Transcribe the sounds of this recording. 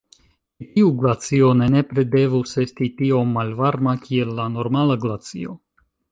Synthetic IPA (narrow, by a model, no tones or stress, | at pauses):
tiuɡlat͡sio̞ne̞ne̞pɾe̞de̞vuse̞stitio̞mːalvaɾmakie̞lːano̞ɾmalaɡlat͡sḭo̰